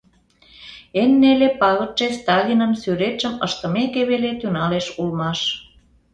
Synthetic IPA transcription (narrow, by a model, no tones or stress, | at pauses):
enːelepɑɣə̆t̪t͡ʃest̪ɑlʲinənsyɾet̪t͡ʃəməʃt̪ə̆mekeβelet̪ynɑleʃulmɑʃ